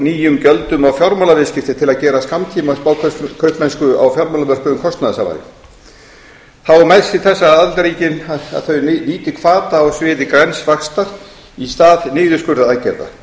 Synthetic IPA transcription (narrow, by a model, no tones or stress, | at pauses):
niːjʏmcœlt̪ʏmawfjɔɾmalavɪscɪft̪ɪt̪ʰɪlaðcɛːɾasamt̪ʰiːmaspaːwkʰkʰœɥht̪mɛnskʏa̰wfjɔɾmalamœr̥kʏʏmkʰɔst̪naðasama̰ɾɪ̰ | θawmajsɪθɛsːaaðlt̪ɾiːcɪna̰ðθœɥniːt̪ɪkʰvaːt̪aawsvɪːðɪkɾɛnsvakst̪aɾ̥ | ist̪aːðnɪːðʏskʏɾðaacɛɾða̰